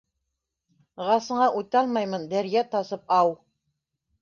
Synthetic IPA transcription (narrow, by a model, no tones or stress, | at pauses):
ʁɑsɤ̆ɴɑʔujt̪ɑlˠmɑjmɤnd̪æɾjæt̪ɑsɤp̚ɑw